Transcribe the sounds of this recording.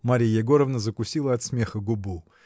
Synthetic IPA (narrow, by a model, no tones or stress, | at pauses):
maɾʲijjɛɡoɾəvnəzəkʊsʲilˠəɐt̪smʲe̞xəɡʊbu